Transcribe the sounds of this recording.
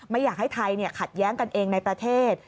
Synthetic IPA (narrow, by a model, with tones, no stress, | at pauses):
ma˥˩jːaː˨˩k̚ha˥˩jt̪ʰa˧jni˥˩ɐkʰa˨˩t̪̚jɛː˦˥ŋka˧nʔeː˧ŋna˧jpɾa˧t̪ʰeː˥˩t̪̚